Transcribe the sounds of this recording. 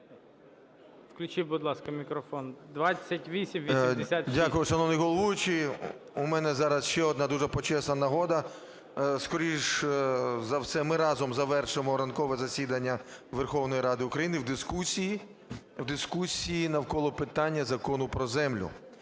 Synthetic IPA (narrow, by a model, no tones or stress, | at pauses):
wklʲʊt͡ʃibʊd̪lˠɑskɐmʲikɾɔfɔnd̪ʋat͡sʲːɐtʲʋʲisʲimʋʲiɪsʲat̪dʲakʊjʊʃɐnɔʋnɪjɦɔlˠɔʋujʊt͡ʃɪʊmɛnɛzɑɾɐsʃt͡ʃɛɔd̪nɑd̪uʒɛpɔt͡ʃɛsnɐnɐɦɔd̪ɐ | skɔɾʲiʒ | zɐwsɛmɪɾɑzɔmzɐʋɛrʃɪmɔɾɐnkɔʋɛzɐsʲid̪ɐnʲːɐʋerxɔwnɔjiɾɑd̪ɪʊkɾɐjinɪwd̪ɪskusʲiji | wd̪ɪskusʲijinɐwkɔlˠɔpɪt̪ɑnʲːɐzɐkɔnʊpɾɔzɛmlʲʊ̰